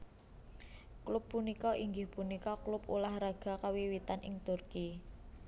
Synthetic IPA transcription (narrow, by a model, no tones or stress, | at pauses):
klʊpːunikɔʔiŋɡɪhpunikɔklʊpṵlahɾaɡ̥a̤kawiwit̪anʔɪ̰ŋt̪ʊrki